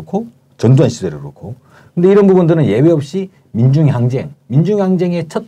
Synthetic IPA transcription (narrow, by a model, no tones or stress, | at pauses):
kʰo | t͡ɕʌndoɦanɕʰidwe̞ɾɯɡɾo̰kʰo | kɯnde̞iɾʌnbubundɯɾɯnje̞weʌp̚ɕ͈i | mind͡ʑuŋɦjaŋd͡ʑe̞̰ŋmind͡ʑuŋɦjaŋd͡ʑe̞ŋe̞t͡ɕʰʌt̚